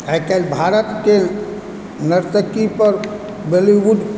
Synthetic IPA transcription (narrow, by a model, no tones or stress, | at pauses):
ajkelbʱaɾət̪ke | nəɾt̪əkipəɾ | bəlibud̪